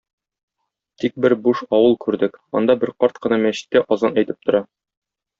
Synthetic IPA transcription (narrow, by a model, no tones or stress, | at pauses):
t̪ik̚bɘɾbuʃɒwɤlˠkʉɾd̪ɘkɒ̰nd̪ɑbɘɾqɒɾt̪̚qɤ̆nɑmæɕɘ̥̆t̪ːæʔɒzɑnæjt̪ɘp̚t̪ŏɾɑ